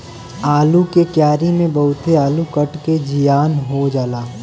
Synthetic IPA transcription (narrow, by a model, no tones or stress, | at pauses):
aːlukekjaːɾimẽbɐɦʊt̪eaːlukɐʈked͡ʒijaːnɦod͡ʒaːlaː